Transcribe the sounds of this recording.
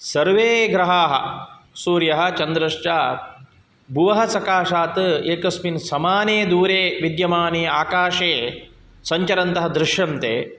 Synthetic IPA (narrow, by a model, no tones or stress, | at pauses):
sɐɾʋeːɡɾɐɦaːɦɐ̰̆ | suːɾjɐɦɐ̆t͡ʃɐnd̪ɾɐʂt͡ʃaː | bʱuʋɐɦɐsɐkaːʂaːt̪ɨeːkɐsminsɐmaːneːd̪uːɾeːʋid̪jɐmaːneːaːkaːʂeː | sɐɲt͡ʃɐɾɐnt̪ɐɦɐd̪ɾɪʃjɐnt̪ḛː